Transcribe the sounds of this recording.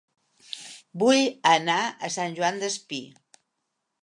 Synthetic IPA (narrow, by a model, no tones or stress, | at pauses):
bujənaəsanʲʒuand̪əspi